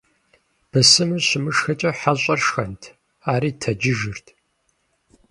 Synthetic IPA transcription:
b̥ʰɐsɨmɨɕɪmɨʂxɐt͡ʃʼɐħaɕʼɐrʂxɐntʰ | aːɾiːtʰɐd͡ʒɪʒɨrtʰ

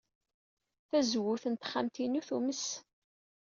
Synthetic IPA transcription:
θæzwʊθənt̪χamt̪inuθuməs

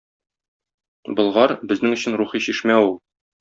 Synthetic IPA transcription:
bɤ̆lˠʁɑɾbɘ̆znɘŋɵ̆ɕɘnɾuχiɕiʃmæulˠ

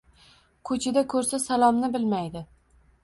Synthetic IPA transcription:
kʰɵt͡ʃʰɪd̪akʰɵɾsasalˠɒmnɪbɪlmajd̪ɪ

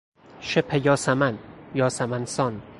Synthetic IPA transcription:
ʃepʰejɒːsamanjɒːsamansɒn

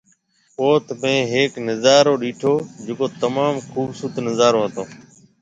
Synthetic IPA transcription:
poːt̪mẽːɦeːknəzaːɾoːɗiːʈʰoːd͡ʒɪkoːt̪əmaːmkʰuːbsut̪nəzaːɾoːɦət̪oː

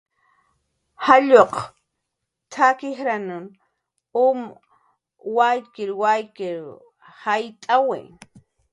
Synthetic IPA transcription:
haʎoq | t̪ʰakɪxɾanʊn | ʊm | wajkɪɾwajkɪɾ | hajt̪ʼawḛŋ

